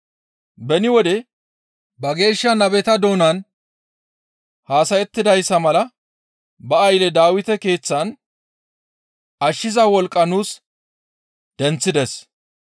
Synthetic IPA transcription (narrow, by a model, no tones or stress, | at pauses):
bɛnɪwɔd̪ɛ | bɐɡe̞ːʃːɐnɐbɛt̪ɐd̪o̞ːnɐn | haːsɐjɛt̪ːɪd̪ɐjsːɐmɐlɐ | bɐɐjlɛd̪aːwɪt̪ɛke̞ːt͡sːɐn | ɐʃːɪzɐwɔlkʼːɐnuːs | d̪̥ɛnt͡sːɪd̪ɛs